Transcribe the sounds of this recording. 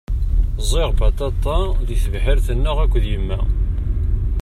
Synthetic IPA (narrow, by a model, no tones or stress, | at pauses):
zˤɪʁbɑt̪ˤɑt̪ˤːɑðiθəvħəɾθənːʊʁækʷːðjəmːæ̰